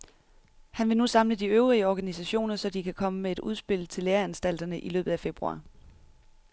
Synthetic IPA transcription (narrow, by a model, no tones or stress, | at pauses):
hænʋe̝nusɑ̈mləd̥iøʊʁiəɒɡ̥ænisæɕo̝̰ːnɐsɒ̽d̥ikʰækʰɒ̽məmee̝d̥uð̞ˠsb̥e̝l̰t͡sʰe̝leːɐænsd̥æl̰d̥ɐnəʔilø̰ːb̥ð̩ˠæfe̝b̥ʁuɑ̰ː